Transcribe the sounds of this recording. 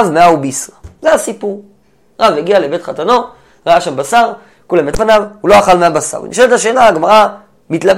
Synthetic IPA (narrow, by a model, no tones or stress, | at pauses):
vmeaubisʁazeasipuʁ | ʁaveɡialebe̞tχatano̞ | ʁaaʃambasaʁ | kulamet̪vanavhuloaχalmeabasa̰ʁḭnḭʃeletlaʃe̞ːnaːɡmaʁa | mitlab